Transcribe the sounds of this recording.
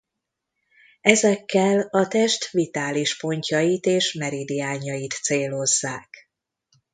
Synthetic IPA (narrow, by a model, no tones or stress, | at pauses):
ɛzɛkːɛlɒt̪ɛʃt̪vit̪aːliʃpo̞ɲcɒjit̪eːʃmɛɾid̪iaːɲɒjit̪seːlo̞zːaːk